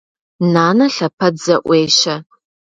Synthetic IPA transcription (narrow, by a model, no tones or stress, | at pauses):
naːnɐɬɐpʰɐdzɐʔʷeːjʃɐ